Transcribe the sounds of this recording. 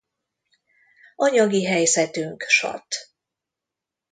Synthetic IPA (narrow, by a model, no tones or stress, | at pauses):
ʔɒɲɒɡiɦɛjzɛt̪yŋkʃɒ̰t̪